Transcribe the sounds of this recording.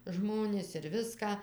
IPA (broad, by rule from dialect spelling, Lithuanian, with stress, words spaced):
ˈʒmoːnʲɪs ɪr ˈʋʲɪskɑː